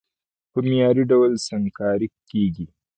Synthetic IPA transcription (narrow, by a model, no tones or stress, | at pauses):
pəmjɑɾiɖawlsaŋkɑɾikːeɡi